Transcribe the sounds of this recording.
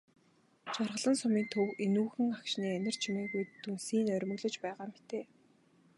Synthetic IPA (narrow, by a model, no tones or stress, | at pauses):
t͡ɕarʁə̆ɮə̆nsʊmiːnt̪ʰɵwenuːxɘ̆ŋakʃniːænʲɪ̆r̥t͡ɕʰimeːɣujt̪unsiːnœɾʲmɵ̆ɣɮɵ̆t͡ɕpæːʁaːmet̪eː